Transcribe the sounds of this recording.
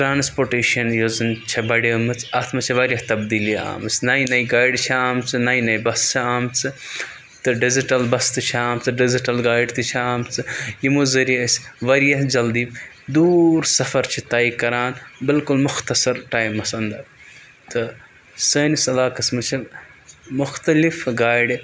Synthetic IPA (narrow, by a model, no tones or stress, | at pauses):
ʈɾaːnspoːɾʈeːʃɐnjozɨnt͡ʃʰɐbɐɽɐːmɨt͡sʰɐt̪ʰmɐt͡ʃʰiʋɐɾjɐht̪ɐbd̪iːlia̰ːmɨsnɐjinɐjɡaːjɖt͡ʃʰiaːmt͡sʰɨnɐjnɐjibɐst͡ʃʰiaːmt͡sʰɨ | t̪ɨɖɪziʈɐlbɐst̪ɨt͡ʃʰiaːmt͡sʰɨɖɪziʈɐlɡaːjɖt̪ɨt͡ʃʰiaːmt͡sʰɨjimuzɐɾiɐsʲʋɐɾjɐɦd͡ʒɐld̪iː | d̪uːɾsɐfɐɾt͡ʃʰit̪aːikɐɾaːnbɪlkulmʊxt̪ɐsɐɾʈaːjmɐsɐnd̪ɐ | t̪ɨ | səːnisɐlaːkɐsmɨt͡ʃʰi | mʊxt̪ɐlifɡaːjɖ